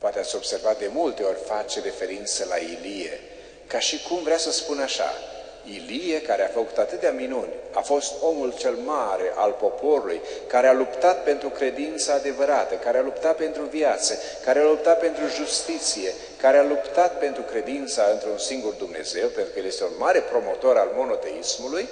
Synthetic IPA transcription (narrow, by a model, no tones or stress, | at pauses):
poat̪eat̪sʲo̞b̥se̞rvat̪̚d̪e̞mult̪e̞o̞rʲfat͡ʃeɾe̞fe̞ɾint̪səla̰ilijḛ | kaʃikumvɾeasəspunaʃa̰ | ilijekaɾeafəkut̪at̪ɨt̪eaminunʲafo̞st̪o̞mult͡ʃe̞lmaɾe̞ʔalpo̞po̞ɾulujkaɾealupt̪at̪̚pe̞nt̪ɾukɾe̞d̪int̪saːd̪e̞vəɾat̪əkaɾealupt̪at̪̚pe̞nt̪ɾuvjat̪sə | kaɾealup̚t̪at̪̚pe̞nt̪ɾuʒust̪it̪sije̞ | kaɾealupt̪at̪̚pe̞nt̪ɾukɾe̞d̪int̪saɨnt̪ɾunsiŋɡurd̪umne̞̰ze̞wpent̪ɾukəjelje̞st̪eunmaɾe̞pɾo̞mo̞t̪o̞ɾalmo̞no̞t̪e̞ismuluj